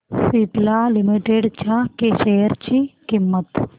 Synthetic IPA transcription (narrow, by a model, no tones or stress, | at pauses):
siːplaːlimiʈeːɖt͡ʃakeʃeːɐɾt͡ʃikimːɐt̪